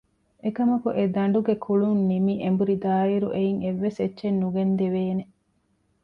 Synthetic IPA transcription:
ekɐmɐkuʔed̪ɐɳ̆ɖuɡekʰuɭunːimiʔembuɾid̪aːiɾuʔeiŋeʋːesetːʃenːuɡend̪eʋeːne

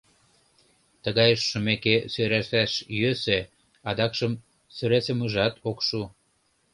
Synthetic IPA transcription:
t̪əɣɑjəʃːumekesøɾæʃæʃjøse | ɑd̪ɑkʃəm | søɾesĕməʒɑt̪okʃu

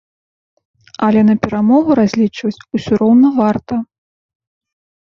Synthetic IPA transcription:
ɐlʲɛnɐpʲɛɾamɔɣuɾazʲlʲit͡ʂvɐt͡sʲusʲuɾɔwnɐvart̪ɐ

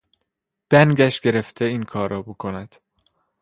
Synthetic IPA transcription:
d̪̥æŋɟæʃɡe̞ɾe̞ft̪ʰeiːnkʰɒːɾɒːbokʰonæd̪̥

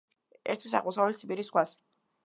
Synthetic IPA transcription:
ɛ̰ɾt̪ʰwis̬a̰ʁmuɔsaɛlit̪sʰipiɾisχwas

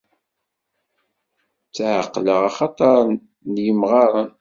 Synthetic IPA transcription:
t͡sːʕəqːləʁɑχɑt̪ˤɑɾˤn | njəmʁɑɾˤən

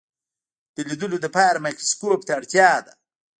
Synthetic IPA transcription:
d̪̥əlid̪əlod̪əpɑɾamakɾoskop̚t̪aːɽt̪jɑd̪a

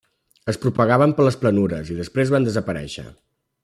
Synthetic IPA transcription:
əspɾupəɣaβəmpələsplənuɾəziðəspɾezβand̪əzəpəɾɛ̰ʃə̰

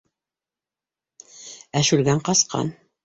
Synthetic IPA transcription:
æʃʉlɡæɴqɑsqɑ̰n

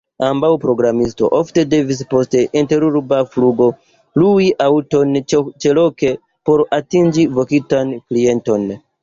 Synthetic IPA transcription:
ambawpɾo̞ɡɾamisto̞̰ʔofte̞de̞vis̬po̞ste̞ʔinte̞ɾuɾbafluɡo̞ | luwiʔawto̞nt͡ʃe̞lo̞ke̞ | po̞ɾatind͡ʒivo̞kitanklie̞nto̞n

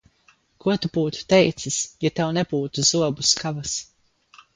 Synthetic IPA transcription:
kuɔt̪ubuːt̪u̥t̪ɛjt̪sisjat̪ɛwnɛbuːt̪uzuɔbuskavas

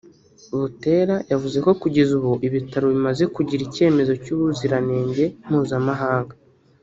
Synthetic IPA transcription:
uβute̞ːɾajavuze̞ko̞kuɟe̞zuβuʔiβitaɾoβimaze̞kuɟiɾice̞ːme̞zo̞cuβuziɾane̞ːɲɟe̞m̥huːzamaɦaːŋɡa

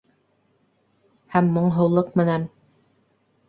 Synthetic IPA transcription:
hæmːŏɴɦɤ̆wlˠɤqmɘ̆næn

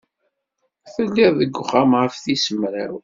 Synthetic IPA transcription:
θəlːiðˤðəɡʷːʊχamʁəfθisəmɾæ̰w

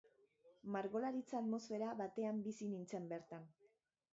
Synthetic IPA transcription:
maɾɣo̞laɾit͡saːt̪mo̞sfe̞ɾaβat̪e̞ambisinint͡se̞mbe̞ɾt̪an

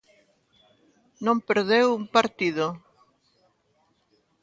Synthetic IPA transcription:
nõmpeɾðewumpaɾt̪iðo

